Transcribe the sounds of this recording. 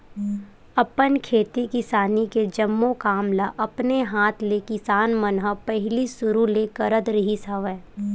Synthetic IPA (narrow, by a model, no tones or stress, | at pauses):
ɐpənkʰeːt̪ikɪsaːniked͡ʒɐmːõkaːmlaʔɐpneɦaːt̪ʰlekɪsaːnmɐnɦəpɛɦlisʊɾulekəɾəd̪ɾɐɦisaʋɛː